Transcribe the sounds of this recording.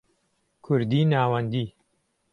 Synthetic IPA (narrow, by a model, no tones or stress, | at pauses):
kʰʊɾd̪iːnaːwɐnd̪iː